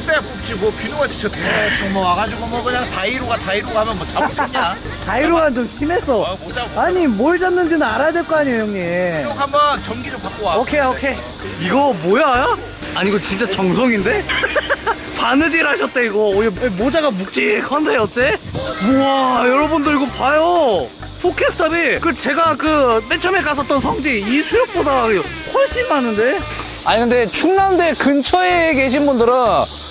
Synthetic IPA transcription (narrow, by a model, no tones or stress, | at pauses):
tepot͡ɕʰimʌpinoɡat͡ɕʰɯ̥t͡ɕʰʌtʰenet͡ɕʰʌmʌaɡad͡ʑoɡamʌkɯɲaŋtaiɾoɡataiɾoɡahamjʌnmwʌt͡ɕaɲa | taiɾoɡant͡ɕomɕime̞s͈ʌoaaɲimoiɭd͡ʑamnːɯnd͡ʑinɯnaɾajadweɭk͈oaɲiojʌŋeoŋɦambʌnt͡ɕʌnɡidopak͈owaokʰeokʰe | iɡʌmojajo | aɲiɡot͡ɕint͡ɕ͈at͡ɕʌŋsʰoŋinde̞ | panɯd͡ʑiɾhaɕʰʌt̚t͈eiɡoːmod͡ʑaɡamuk̚t͡ɕ͈iekʰʌndeʌt͡ɕ͈e̞moajʌɾʌbundɯɾiɡopajo | pʰokʰesʰtʰabikɯt͡ɕe̞ɡakɯtet͡ɕʰʌmek͈as̬ʰʌt͈̚ʌnsʰʌŋd͡ʑiisʰujok̚p͈odaɯ | hʌɭɕ͈immanːɯnde̞ | a̰ɲinɯnde̞t͡ɕʰuŋnandekɯnt͡ɕʰʌeke̞ɕ̬ʰinbundɯɾɯn